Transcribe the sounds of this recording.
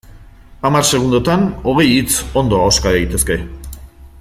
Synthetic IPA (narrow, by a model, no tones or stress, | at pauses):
amaɾse̞ɣ̞und̪ot̪ano̞ɣ̞e̞jit͡so̞nd̪o̞awskaeɣit̪e̞ske̞